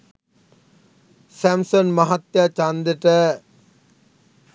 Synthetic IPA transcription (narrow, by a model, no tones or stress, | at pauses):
sæmsonmaɦat̪jat͡ʃand̪əʈə